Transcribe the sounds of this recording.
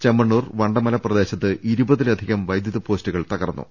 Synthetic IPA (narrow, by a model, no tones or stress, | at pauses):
t͡ɕemːɐɳːuːrʋɐɳɖɐmɐlɐprɐd̪e̞ːɕɐt̪ːɨʔiɾubɐðilɐd̪ʱiɣɐmʋɐjd̪jɐðɐpo̞ːstuɣɐɭt̪ɐɣɐrɐnːṵ